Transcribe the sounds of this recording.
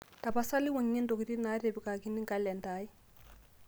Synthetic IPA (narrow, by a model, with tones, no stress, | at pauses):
ta˨pa˦sa˦li˦wa˨ŋɲɛ˦ndo˨ki˨ɾi˦na˦ɾe˨bi˨ka˨ki˦ni˦ŋɡa˦lɛ˨nda˦i˦